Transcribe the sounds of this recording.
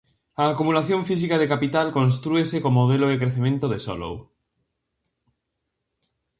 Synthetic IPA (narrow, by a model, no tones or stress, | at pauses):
ɐːkumulaθjõɱfis̬ikað̞ekapit̪alkõns̬t̪ɾuesekomːoð̞eloekɾeθemẽnt̪oðesɔ̰lo̰w